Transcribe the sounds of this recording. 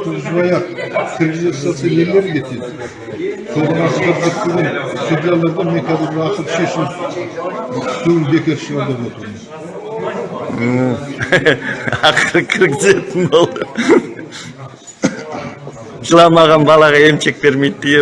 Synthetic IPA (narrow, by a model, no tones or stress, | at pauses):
t̪ʰʊɾəʒbɑjɑqkʲʰɪɾɡʲɪzet̪sɑt̪sɑelleɾɪkʲʰet̪ed̪ɪ | sond̪ɑnɑst̪ɑɾʒet̪eɡʲensud̪ʲijalˠɑɾd̪ɑmeŋkʲʰæd̪ɪbɑqət̪ʃe̞ʃɪm | sewbe̞kʲe̞ɾʃəlˠɑɾd̪ɑbwot̪əɾmən | ə | ɑqəɾəkʲʰɪɾɡʲɪze̞t̪ɪnbo̞lˠd̪ə | ʒəlˠɑmɑʁɑnbɑlˠɑʁɑe̞mt͡ʃe̞k̚be̞ɾme̞jt̪̚d̪eje